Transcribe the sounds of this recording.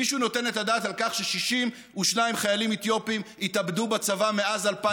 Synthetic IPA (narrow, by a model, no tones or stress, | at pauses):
iʃuno̞te̞netadaːtalkaχʃeʃiʃim | uʃnaimχajalimet̪jo̞pimit̪abdubat͡savameazalpa